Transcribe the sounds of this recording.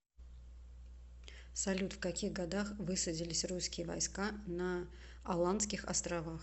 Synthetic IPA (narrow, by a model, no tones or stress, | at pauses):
sɐlʲut̪fkɐkʲixɡɐd̪axvɨsədʲɪlʲɪsʲruskʲɪjəvɐ̰jskanə | ɐlˠant̪skʲɪxɐ̰st̪ɾɐvax